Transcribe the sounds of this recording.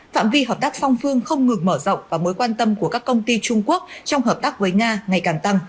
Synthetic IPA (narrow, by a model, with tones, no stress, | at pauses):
fa̰ː˧˨mvi˧ɦəː˨˩p̚t̪aː˦˥k̚fɔ˧wŋ͡mfɨ˧əŋxə˧wŋ͡mŋɨ˨˩ŋməː˧˩zə̰˧˨wŋ͡mvaː˨˩moː˨˦jkwaː˧nt̪ə˧mku˧˩əkaː˦˥kːə˧wŋ͡mt̪i˧t͡ɕʊ˧ŋ͡mku˦˥ək̚t͡ɕɔ˧wŋ͡mɦəː˨˩p̚t̪aː˦˥k̚vəː˨˦jŋaː˧ŋa˨˩jkaː˨˩ŋt̪a˧ŋ